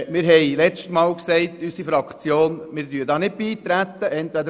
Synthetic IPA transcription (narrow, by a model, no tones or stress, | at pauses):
mɪɾɦɛɪlɛt͡stmɑːlksɛɪt̪ysifɑkχt͡sjoːnmɪɾdyːəd̪ɑːnɪd̚b̥iːt̪ɾæt̪ːəʔɛnt̪ʋæd̪ə